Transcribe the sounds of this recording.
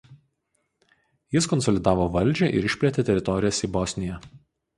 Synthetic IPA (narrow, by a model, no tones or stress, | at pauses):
jɪskɔnsɔlʲɪd̪ɑːʋoːʋɐlʲˑd͡ʒʲɛˑʔɪ̰ɾɪʃʲpʲlʲɛt̪ʲet̪ʲɛɾʲɪt̪ɔɾʲɪjɛsiːbɔsʲnʲɪjɛ